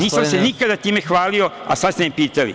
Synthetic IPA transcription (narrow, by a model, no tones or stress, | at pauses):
niːsamsenikad̪at̪iːmexʋaːlio̞a̰sad̪st̪eimpiːt̪alḭ